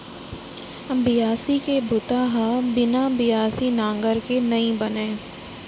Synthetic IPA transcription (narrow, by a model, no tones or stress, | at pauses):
bɪjaːsikebʊt̪aːɦabɪnabɪjaːsinãːŋɡəɾkenɐĩbɐnẽː